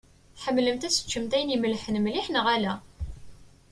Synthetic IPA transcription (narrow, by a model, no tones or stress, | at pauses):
θħəmːləmt̪æsə̥t͡ʃːəmt̪æjniməlħənmliħnəʁælæ